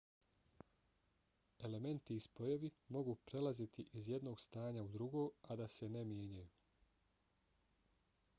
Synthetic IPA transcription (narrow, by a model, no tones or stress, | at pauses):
e̞le̞me̞nt̪iːspo̞jeʋimo̞ɡuːpɾe̞lazit̪ʰiʔizje̞d̪no̞ːɡst̪aːɲaud̪ɾuɡo̞ːad̪ase̞nemje̞ːɲajuː